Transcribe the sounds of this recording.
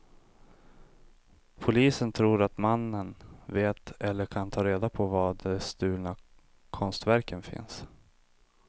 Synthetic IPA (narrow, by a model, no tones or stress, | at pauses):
pʰʊliːsənt̪ʰɾuːɾat̪manːənveːt̪ɛlːəɾkʰant̪ʰɑːɾeːd̪apʰɔvad̪ɛst̪ʉ̟ːlna | kʰɔnst̪væɾkənfɪ̰ns